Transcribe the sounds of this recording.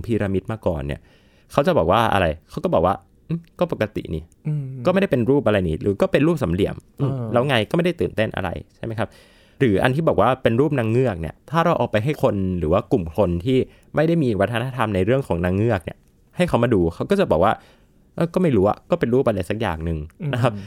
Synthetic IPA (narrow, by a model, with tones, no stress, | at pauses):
pʰiː˧ɾa˧mi˦˥t̪̚maː˧˩kɔ̰ː˨˩nːḭ˧˥ɐ | kʰa˦˥wt͡ɕa˨˩bɔː˨˩k̚waː˥˩ʔa̰˧ɾa˧jkʰa˦˥wkɔː˥˩bɔː˨˩k̚waː˥˩ | ʔɯ˥˩kɔː˥˩pa˨˩kːa˧t̪ḭ˨˩nḭː˦˩˧ | kɔː˥˩ma˥˩jda˥˩pe˧nɾuː˥˩p̚ʔa˧ɾa˧jniː˦˥ɾɯː˨˦kɔː˥˩pe˧nɾuː˥˩p̚sa˨˩˦mlḭ˨˩˦əmʔɯ˧˩˧lɛ˦˥wŋa˧jkɔː˥˩ma˥˩jda˥˩t̪ɯː˨˩nt̪e˥˩nʔa̰˧ɾa̰˧jt͡ɕʰa˥˩ma˦˥jkʰa˦˥p̚ | ɾɯː˩˦ʔa̰˧nt̪ʰiː˥bɔː˨˩k̚waː˥˩pe˧nɾuː˥˩p̚na˧ŋːɯ˥˩ɐk̚nḭ˥˩ɐt̪ʰaː˥˩ɾa˧wʔɔː˨˩pa˧jɦa˥˩jkʰo˧nɾɯː˩˦waː˥˩ku˨˩mkʰo˧nt̪ʰiː˥˩ | ma˥˩jda˥˩jmiː˧˨˩wa˧˥t̪ʰa˧na˦˥t̪ʰa˧mna˧jɾɯ˥˩əŋkʰɔː˩˦ŋna˧˥ŋːɯ˥˩ək̚ni˥˩ɐ | ha˥˩jkʰa˦wmaː˧duː˧kʰa˦˥wkɔː˥˩t͡ɕa˨˩bɔː˨˩k̚waː˥˩ | ʔɤː˧˩kɔː˥˩ma˥˩jɾuː˦˥a̰˨˩kɔː˥˩pe˧nɾuː˥˩p̚ʔa˧ɾa˧jsa˨˩k̚ja̰ː˨˩ŋ̚nɯ˨ŋna˦˥kʰa˦˥p̚